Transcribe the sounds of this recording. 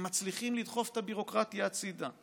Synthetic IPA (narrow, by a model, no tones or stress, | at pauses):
mat͡sliχimlid̪χo̞fet̪abiʁo̞kʁat̪jaːt͡sid̪a